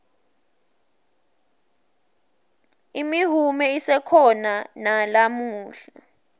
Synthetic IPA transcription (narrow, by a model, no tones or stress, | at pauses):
imiɦumɛisɛkʰɔnanalamuːɬa